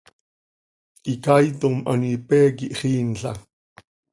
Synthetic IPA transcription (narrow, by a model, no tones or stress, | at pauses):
ʔikajt̪omʔa̰nipɛːkiʔχiːnɬa̰